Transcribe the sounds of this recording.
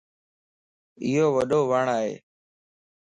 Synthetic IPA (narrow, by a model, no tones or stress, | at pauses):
ɪːɦoːʋəɗoːʋəɳaːɦḛː